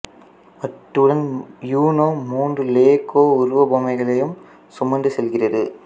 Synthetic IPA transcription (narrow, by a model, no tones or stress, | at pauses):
mɐʈːɯɽɐnjuːnoːmuːndrɯleːkoːʊɾʊʋɐboːmɐɪɣɐɭɐjɯm | sʊmɐnd̪ɯsɛlɣɪrɐðɯ